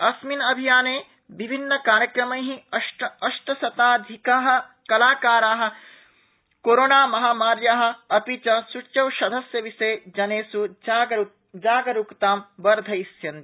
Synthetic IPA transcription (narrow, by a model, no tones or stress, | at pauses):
ɐsminɐbʱijaːneː | bibʱinːɐkaːɾjɐkɾɐmɐ̃jɦiɐʈɐʃʈɐsɐt̪aːd̪ʱikaːɦɐ̆ | kɐlaːkaːɾaːɦɐ̆ | koːɾoːnaːmɐɦaːmaːɾjaːɦɐ̆ɐpit͡ʃɐsut͡ʃɐwʃɐd̪ʱɐsjɐʋiseːd͡ʒɐneːsu | d͡ʒaːɡɐɾukt̪aːmʋɐɾd̪ʱɐisjɐnt̪i